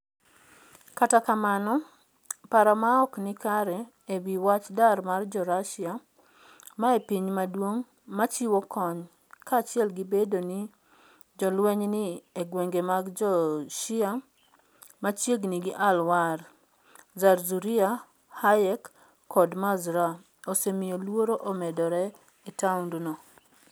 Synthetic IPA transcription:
katakamanɔ | paɾamaɔknɪkaɾɛ | ebiwat͡ʃdarmard͡ʒɔɾaʃɪa | maepiɲmadwoŋ | mat͡ʃiwɔkɔɲ | kaːt͡ʃjɛlɡibedoni | d͡ʒɔlwɛɲnieɡweŋɡemaɡd͡ʒɔʃɪa | mat͡ʃjeɡniɡɪʔalwar | zarzuɾia | hajɛkː | ɔdmazɾa | osemijolwoɾoʔomɛdɔɾɛ | itaʊndnɔ

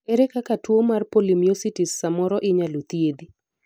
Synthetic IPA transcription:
eɾekakatwomarpolimjositisːamɔɾɔʔɪɲalot̪jed̪i

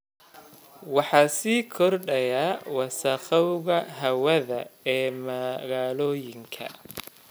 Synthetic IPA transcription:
wɑħɑːsiːkʰɔrɖɐjaːwɑsɐqɐwɣɐɦɐwɐðɐ̰ɛːmɐɣaːlɔːjɪŋkʰɐ̰

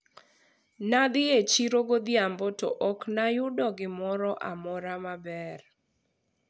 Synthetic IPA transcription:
nad̪ɪet͡ʃiɾoɡod̪ɪambɔtɔ̰ʔɔknajʊdɔɡɪmɔɾɔʔa̰mɔɾamabɛr

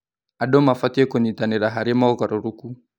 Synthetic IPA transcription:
aɗɔmafatiɛkɔɲitaniɾaɦaɾimaɔkaɾɔɾuku

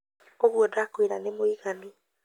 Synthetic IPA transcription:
oβwɔdakoiɾanemoiɣani

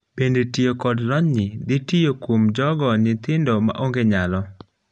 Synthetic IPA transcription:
b̥endetijokɔdlɔɲnɪd̪ɪtijokwomd͡ʒɔɡɔnɪt̪ɪndɔma̰ʔoŋɡeɲalɔ

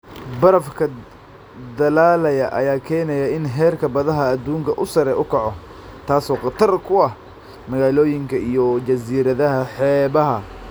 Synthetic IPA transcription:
bɐɾɐfkʰɐ | d̪ɐlaːlɐjɐʔɐ̰jaːkʰɛːnɐjɐɪnɦɛːrkʰɐbɐðɐɦɐːd̪uːŋkʰɐʔʊsɐɾɛʔʊkʰɐʕɔ | t̪ʰaːsɔːqɑt̪ʰɐrkʰʊɐh | mɐɣaːlɔːjɪŋkʰɐijɔt͡ʃɐsiːɾɐðɐɦɐħɛːβɐɦɐ

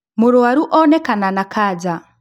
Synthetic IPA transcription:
muɾuaɾuʔɔnekananakʰaːd͡ʒa

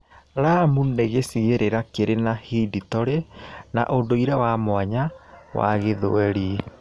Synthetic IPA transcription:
ɾamuneɣesiɣeɾeɾakeɾenahiditɔɾena̰ʔondoiɾɛwamwaɲawa̰ɣeðo̰ɛɾi

